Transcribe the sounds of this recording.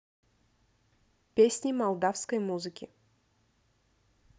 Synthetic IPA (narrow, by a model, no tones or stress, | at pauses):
pʲesʲnʲimalˠd̪afskəjmuzɨkʲi